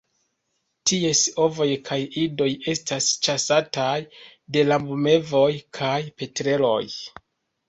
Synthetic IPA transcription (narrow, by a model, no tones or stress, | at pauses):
tie̞so̞vo̞jkʰajido̞je̞stast͡ʃasatajde̞labume̞vo̞jkʰajpe̞tɾe̞lo̞̰j